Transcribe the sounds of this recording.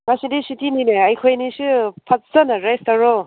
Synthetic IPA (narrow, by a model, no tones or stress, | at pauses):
ŋasidisitinineɐjkʰojnisɯpʰɐt̚zɐnɐɾestaɾo